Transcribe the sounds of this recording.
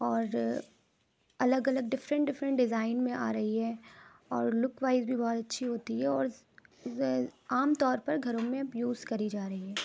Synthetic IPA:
ɔːɾ | ɐləɡɐləɡ̚ɖɪfɾə̃ɳʈɖɪfɾə̃ɳʈɖɪzaːɪnmẽʔa̰ːɾɐɦiɦɛː | ɔːɾlʊkʋaːɪzbʱibɔːt̪ɐtːʃʰiɦoːt̪iɦɛɔːɾ | aːmt̪ɔːɾpɐɾɡʱɐɾõmẽjuːzkɐɾid͡ʒaːɾɐɦiɦɛː

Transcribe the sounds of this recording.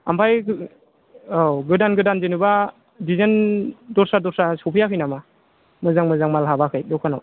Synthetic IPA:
a̰mpʰaj | ɡɯdanɡɯdanzenɯba | dizendɔɾsadɔɾsasɔpʰɯjakʰɯjnama | mɯzaŋmɯzaŋmalɦabakʰɯjdɔkʰanaw

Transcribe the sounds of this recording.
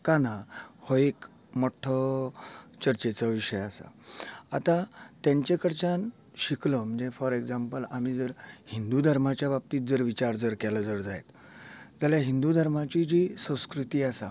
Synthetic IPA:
kanahoek | mɔʈʰːə | t͡ɕəɾt͡ɕet͡səʋiɕəjasa̰at̪ãt̪jãɲt͡ɕekəɽt͡ɕan | ɕikləm̤əɳd͡zefɔɾeɡd͡zampəlam̤id͡zəɾhind̪ud̪ʱəɾmat͡ɕjabap̚t̪iːt̪̚d͡zəɾʋit͡ɕaɾd͡zəɾkɛləd͡zəɾd͡zajḛt̪ | d͡zaljaɦind̪ud̪ʱəɾmat͡ɕid͡ʑisə̃w̃skɾut̪iːasa̰

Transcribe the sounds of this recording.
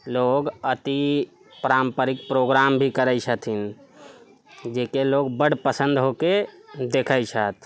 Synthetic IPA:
loɡət̪i | pɾampəɾik̚pɾoɡɾambʱikəɾəjsʰət̪ʰin | d͡ʒekeloɡbəɽ̤pəsə̃nd̪ɦoked̪ekʰət͡ʃʰət̪ʰ

